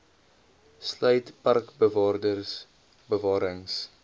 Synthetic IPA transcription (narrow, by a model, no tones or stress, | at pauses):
slœɥtpɐrkbəvɑːrdərs | bəvɑːɾəŋs